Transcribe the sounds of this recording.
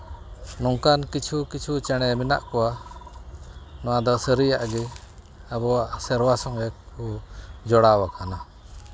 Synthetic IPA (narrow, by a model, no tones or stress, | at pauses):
nɔŋkankit͡ʃʰukit͡ʃʰut͡ʃɛɽ̃ɛmina̰ʔkɔwa | nɔwad̪ɔsəɾijaʔɡɛ | abɔwaʔsɛɾwasɔŋɛkɔd͡ʒɔɽawakʰana